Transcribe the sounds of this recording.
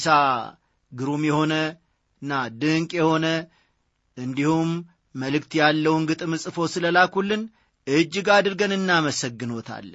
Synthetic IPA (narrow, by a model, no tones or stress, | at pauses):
sa | ɡɨɾumjɛho̞nə | ɨnːad̪ɨŋkʼjɛho̞nə | ʔɨnd̪ihumː | əlɨkt̪jalːəwnɡɨt̪ʼɨmɨsʼɨfo̞sɨləlakulːɨn | ʔɨd͡ʒːɪɡad̪ɨɾɡənɨnːaməsəɡːɨno̞t̪ʰa̰lːə